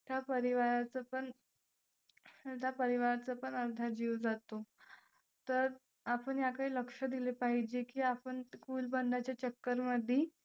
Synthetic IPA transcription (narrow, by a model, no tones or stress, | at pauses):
t̪japəɾiʋaɾat͡səpəɳ | t̪japəɾiʋaɾat͡səpəɳəɾd̪ʱaɾd͡ʑiːʋd͡zat̪o | t̪əɾ | apəɳjakaɦiːləkʂəd̪ilepaɦid͡ʑekiːapəɳkuːlbənd̪ʱat͡ɕjat͡ɕəkːəɾməd̪ʱːe